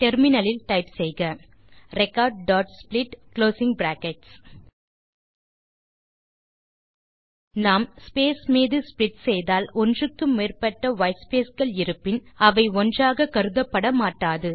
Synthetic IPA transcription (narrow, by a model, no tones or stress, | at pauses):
ʈɛɾmɪnɐlɪlʈɐɪpsɛjɣɐ | ɾɛkːaːɾɖ̚ɖaːʈsplɪʈkloːsɪŋbɾaːkɛʈs | naːmspeːsmeːðɯsplɪʈsɛjðaːlɔndrɯkːɯmːeːrpɐʈːɐʋɐɪspeːsɣɐɭɪɾɯpːɪnɐʋɐɪɔndraːɣɐkɐɾɯðɐpːɐɽɐmaːʈːaːðɯ